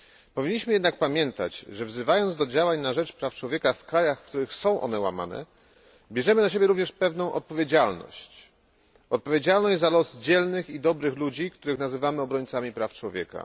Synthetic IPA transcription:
pɔvʲiɲːiɕmɘjɛd̪nak̚pamʲjɛnt̪a̰t͡ɕʐɛvzɘvajɔnd̪d̪ɔd͡ʑawaɲnaʐɛt͡ʂpɾaft͡ʂwɔvʲjɛkafkɾajaxfkt̪uɾɘxsɔ̃w̃ʔɔ̰nɛwa̰ma̰nɛ̰ | bʲjɛʐɛmɘnaɕ̬ebʲjɛɾuvɲɛʂpɛvnɔ̃w̃ʔɔt̪̚pɔvʲjed͡ʑalnɔ̰ɕt͡ɕ | ɔt̪̚pɔvʲjed͡ʑalnɔʑd͡ʑʲzalɔsd͡ʑɛlnɘxid̪ɔbɾɘxlud͡ʑikt̪uɾɘxnazɘvamɘɔbɾɔɲt̪samʲipɾaft͡ʂwɔvʲjɛ̰ka̰

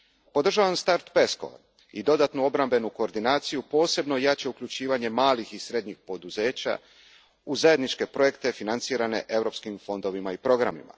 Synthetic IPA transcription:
po̞d̪r̩ʒaʋamst̪aɾt̪pesko̰ | id̪o̞d̪at̪nuo̞bɾambe̞nuko̞ːɾd̪inaːt̪sijupo̞ːse̞bno̞jat͡ɕe̞ukʎut͡ɕiːʋaɲe̞maːlixisɾe̞d̪ɲixpo̞d̪uze̞ːt͡ɕa̰ | uzaje̞d̪nit͡ʃke̞pɾo̞je̞kt̪e̞finant̪siːɾane̞̰ʔe̞vɾo̞ːpskimfo̞nd̪o̞ʋimaipɾo̞ɡɾamḭma̰

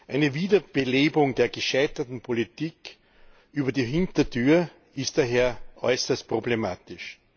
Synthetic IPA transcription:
ʔæɪnəviːdɐb̥eleːbʊŋdeːɐɡəʃaɪtɐtn̩pʰolitiːk | ʔyːbɐdiːɦɪntɐtʰyːɐ | ɪstd̥aːɦeːɐʔɔ̰ʏsɐst̚pʁ̥oblemaːtɪʃ

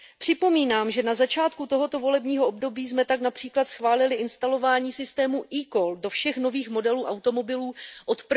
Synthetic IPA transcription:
pr̝̥ɪpo̞miːnaːmʒɛnazat͡ʃaːt̪̚kut̪o̞ɦo̞t̪o̞vo̞lɛbɲiːɦo̞ʔobdo̞biːzmɛt̪aknapr̝̥iːklat̪sxvaːlɪlɪɪnst̪alo̞vaːɲiːsɪst̪ɛːmuʔiːkoldo̞fʃɛxno̞viːxmo̞dɛluːʔawt̪o̞mo̞bɪluːʔo̞t̪p

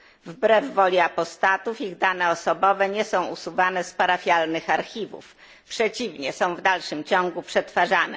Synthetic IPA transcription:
vbɾɛvːɔlʲiapɔst̪at̪ufiɣd̪anɛɔsɔbɔvɛɲɛsɔ̃w̃usuvanɛspaɾafʲjalnɘxaɾxʲivṵf | pʂɛt͡ɕivɲɛsɔ̃w̃vd̪alʂɘmt͡ɕɔ̃ŋ̃ɡupʂɛt̪faʐanɛ

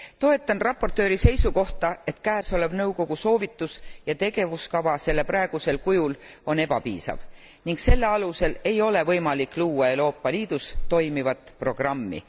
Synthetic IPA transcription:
t̪o̞e̞t̪ːˑɑnrɑpːˑo̞rt̪ːˑø̞ːɾise̞jsuko̞ht̪ɑe̞t̪kæːso̞le̞b̥nɤwko̞ɡ̥uso̞ːvit̪ːˑusjɑt̪e̞ɡ̥e̞vuskɑvɑse̞lːeprɑe̞ɡ̥use̞lkujul | o̞ne̞b̥ɑpḭːsɑ̰v | niŋkse̞lːeɑluse̞le̞jo̞le̞vɤjmɑlikˑluːɑe̞wɾo̞ːpːˑɑliːd̪̥ust̪o̞jmivɑt̪ˑpro̞ɡ̥rɑmːḭ

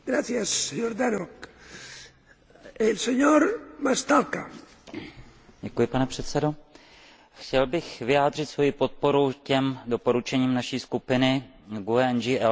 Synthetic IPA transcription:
ɡɾaθjasːeɲoɾd̪anok | elseɲoɾmast̪alka | ɟɛkujɪpanɛpr̥ɛt̪sɛdo̞ | xcɛlbɪxvɪjaːdr̝ɪt̪svo̞jipo̞t̪̚po̞ɾucɛmdo̞po̞ɾut͡ʃɛɲiːmnaʃiːskupɪnɪ | ɡuɛɛnd͡ʒiʔɛ

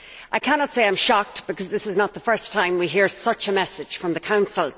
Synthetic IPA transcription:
ʔaɪkʰænɑtseɪãɪ̃mʃɑk̚tb̥ɨkʰʌzðɪsɨznət̪̚ðəfɜ˞stʰãɪ̃mwiɦiɹsʌt͡ʃəmɛsɪd̥ʒ̥fɹʌ̃mðəkʰãʊ̃nsəl̩ˠ

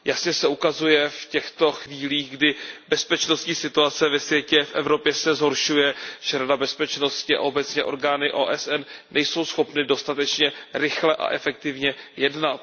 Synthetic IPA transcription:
jasɲɛsɛukazujɛfcɛxt̪o̞xviːliːɣɡdɪbɛspɛt͡ʃno̞st̪ɲiːsɪt̪uat͡sɛvɛsvjɛcɛfʔɛ̰vɾo̞pjɛsɛzɦo̞ɾʃujɛʒ̥ɛɾadabɛspɛt͡ʃno̞scɪa̰ʔo̞bɛtt͡sɲɛʔo̞ɾɡaːnɪʔo̰ːʔɛsʔɛnːɛjso̞wsxo̞pnɪdo̞st̪at̪ɛt͡ʃɲɛɾɪxlɛʔa̰ʔɛfɛk̚t̪ɪvɲɛjɛdnat̪

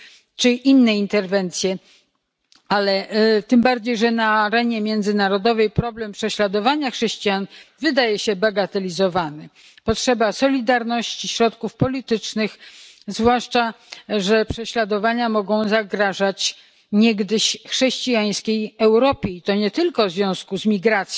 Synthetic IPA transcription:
t͡ʂɘʔinːɛint̪ɛɾvɛnt̪sʲjɛ | alɛt̪ɘmbaɾd͡ʑejʐɛnaːɾɛɲɛmʲjɛnd̪zɘnaɾɔd̪ɔvɛjpɾɔblɛmpʂɛɕlad̪ɔvaɲaxʂɛɕt͡ɕijanvɘd̪ajɛɕɛbaɡat̪ɛlʲizɔvanɛ | pɔtʂɛbasɔlʲid̪aɾnɔɕt͡ɕiɕɾɔt̪kufpɔlʲit̪ɘt͡ʂnɘxzvwaʂt͡ʂa | ʐɛpʂɛɕlad̪ɔvaɲamɔɡɔ̃w̃zaɡɾaʐat͡ɕ | ɲɛɡd̪ɘɕxʂɛɕt͡ɕijaj̃skʲejɛwɾɔpʲeit̪ɔɲɛt̪ɘlkɔvzvʲjɔ̃w̃skuzmʲiɡɾat̪sj

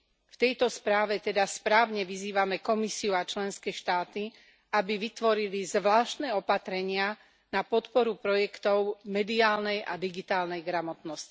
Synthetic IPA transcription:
ft̪ɛjt̪ɔspɾaːʋɛt̪ɛd̪aspɾaːʊɲɛʋiziːʋamɛkɔmisiuat͡ʃlɛnskɛːʃt̪aːt̪i | abiʋit̪ʋɔɾilizʋlaːʃt̪nɛɔpat̪ɾɛɲɪa | napɔt̪pɔɾupɾɔjɛkt̪ɔʊmɛd̪iaːlnɛjʔa̰d̪iɡit̪aːlnɛjɡɾamɔt̪nɔsci̥

